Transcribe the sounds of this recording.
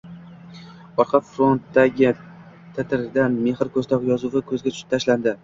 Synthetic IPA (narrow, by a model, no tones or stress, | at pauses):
ɒɾqʰɑfɾont̪d̪aɡʲɪ | t̪ʰɪt̪ʰɪɾd̪anme̞hɪɾkʰɵzt̪ʰɒqjɒzʊvɪkʰɵzɡʲat͡ʃʰʊ̥ʃɪ̥t̪ʰaʃland̪ɪ